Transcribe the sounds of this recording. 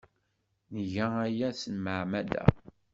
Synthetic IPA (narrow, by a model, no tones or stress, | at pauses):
nʝææjæsənməʕmælæ̰